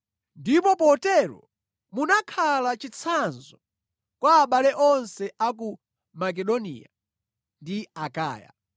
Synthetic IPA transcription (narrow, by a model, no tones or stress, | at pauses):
ndipɔpɔtɛɾɔ̰ | munakʰalat͡ʃit͡sʰanzɔ | kwaːɓalɛʔɔnsɛʔak̬u | mak̬ɛɗɔnḭja̰ | ndiaka̰ːja̰